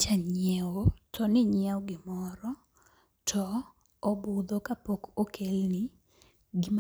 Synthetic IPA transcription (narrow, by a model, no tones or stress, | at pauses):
t͡ʃaɲjɛwotʰɔnɪɲɪɛwɔɡɪmɔɾɔ | tʰɔː | bʊd̪okapokokʰelnɪ | ɡɪm